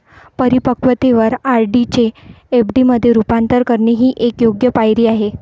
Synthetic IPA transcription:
pəɾipəkʋət̪eʋəɾaɾɖit͡ɕeː | pɖiməd̪ʱːjeɾupant̪əɾkəɾɳeɦiːʔekjoɡjəpajɾiːaɦe

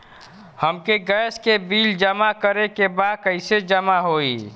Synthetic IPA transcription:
həmkeɡəːskebiːld͡ʒəmakəɾekebaːd̪̚kəɪsed͡ʒəmaɦoːi

